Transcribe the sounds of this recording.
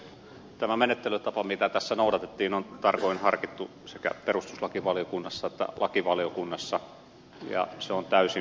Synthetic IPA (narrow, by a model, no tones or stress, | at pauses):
t̪æmæmenet̪ːelyt̪ɑpɑmit̪æt̪æsːænoˑudɑt̪et̪ːiːnont̪ɑrkoinhɑrkit̪ːu | sekæ̰perust̪uslɑkiʋɑlijokunːɑsːɑet̪ːæ̰lʔɑkiʋɑliokunːɑsːɑ | jɑ̰seont̪æysi